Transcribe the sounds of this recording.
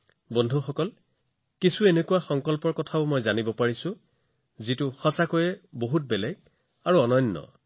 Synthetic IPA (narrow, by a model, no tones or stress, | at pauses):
bɔndʱuxɔkɔl | kisuenekuwaxɔŋkɔlpɔɹkɔtʰaʊmɔjzanibɔpaɹisʊ̃ | zitʊxɔsakojɛboɦut̚bɛlɛɡ | aɹuɔnɔnːɔ̰